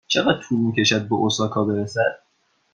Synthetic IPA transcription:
t͡ʃʰe̞ɣæd̪̥̚t̪ʰuːlmiːcʰʲe̞ʃæd̪̚beʔosɒːkʰɒːbeɾesæd̪̥̚

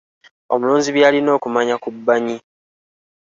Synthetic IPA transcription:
o̞̰muluːnziβjaːlino̞ːkumaɲakubːaɲi

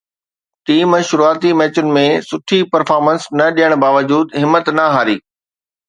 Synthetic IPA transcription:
tiːmɛ̃ːʃʊɾuaːt̪imɛːt͡ɕʊnɪ̆mẽsʊʈʰipɐɾfaːɾmənsnɐɗijəɽ̃baːʋəd͡ʑuːd̪ɦɪmːət̪nɐɦaːɾiː

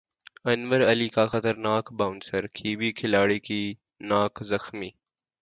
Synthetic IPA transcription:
ɐnʋəɾɐliːkaxɐt̪əɾnaːkbaːʊnsəɾkʰiːbikʰɪlaːɽiki | naːkzɐxmiː

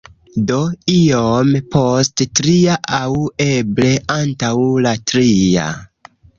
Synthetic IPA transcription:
do̞iompʰo̞sttɾiaʔawe̞ble̞ʔantawlatɾia̰

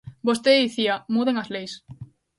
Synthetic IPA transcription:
bost̪eðiθiamuðeŋazlejs

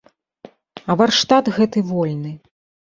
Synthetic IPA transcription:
ɐvarʂt̪at̪ɣɛt̪ɨvɔlʲnɨ

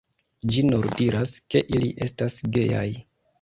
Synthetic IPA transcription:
d͡ʒinoɾdiɾaske̞ʔiliʔe̞stasɡe̞ja̰j

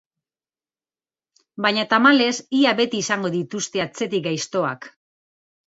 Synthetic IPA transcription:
bajɲat̪amale̞siaβe̞t̪iːsaŋɡo̞ðit̪ust̪e̞at͡se̞t̪ik̚ɡajst̪o̞a̰k

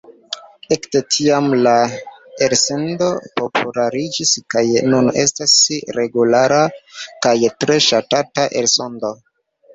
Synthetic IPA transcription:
e̞ktetʰiamlaeɾse̞ndo̞po̞pʰulaɾid͡ʒiskajnune̞̰stasɾe̞ɡulaɾakajtɾe̞ʃatataʔelso̞ndo̞

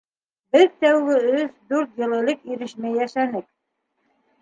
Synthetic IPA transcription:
bɘðt̪æwɡɘɵðd̪ʉɾt̪jɤ̆lˠɤ̆lˠɤkiɾɘ̆ʃmæjæʃænɘk̚

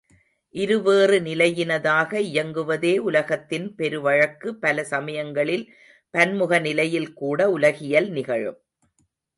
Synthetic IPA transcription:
ʔɪɾɯʋeːrɯnɪlɐjɪnɐðaːɣɐɪjɐŋɡɯʋɐðeːʊlɐɣɐt̪ːɪnpɛɾɯʋɐɻɐkːɯpːɐlɐsɐmɐjɐŋɡɐɭɪl | pɐnmʊɣɐnɪlɐjɪlkuːɽɐʊlɐɣɪjɐlnɪɣɐɻɯ̰m

